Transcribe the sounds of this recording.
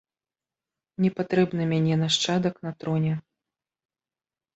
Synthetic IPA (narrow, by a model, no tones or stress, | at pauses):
nʲɛpat̪ɾɛbnɨmʲanʲɛnɐʂt͡ʂad̪ɐknɐt̪ɾɔnʲɛ